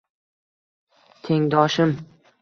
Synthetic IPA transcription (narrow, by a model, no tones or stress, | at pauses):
t̪ʰe̞ŋd̪ɒʃɪm